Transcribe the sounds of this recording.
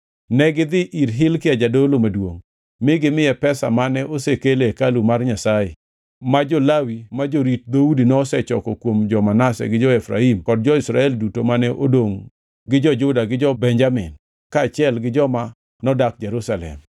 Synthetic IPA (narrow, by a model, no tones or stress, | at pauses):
nɛɡɪd̪ɪʔiɾɦɪlkɪad͡ʒadolomadwoŋ | mɪɡɪmɪjɛpɛsa̰manɛʔosekelekalumarɲasajḛ | mad͡ʒɔlawimad͡ʒoɾit̚d̪audinɔsɛt͡ʃɔkɔkwomd͡ʒɔmanasɛ̰ɡɪd͡ʒɔɛfɾa̰imkɔd̚d͡ʒɔisɾa̰ɛldutomanɛʔodoŋ | ɡɪd͡ʒɔd͡ʒʊdaɡɪd͡ʒɔbɛɲd͡ʒamɪ̰n | kaːt͡ʃjɛlɡɪd͡ʒɔma | nɔdak̚d͡ʒɛɾusalɛ̰m